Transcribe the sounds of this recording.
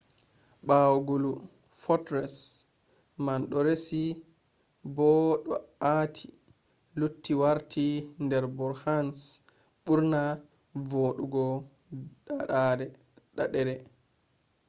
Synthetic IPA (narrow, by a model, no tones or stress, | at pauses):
ɓawɔɡolu | fɔtɾɛs | manɗɔɾesi | bɔɗɔatʰi̥ | lutːiwaɾtʰindɛɾbɔɾhans | ɓuɾna | voːɗuɡɔ | ɗaɗaɾɛ | ɗaɗɛɾɛ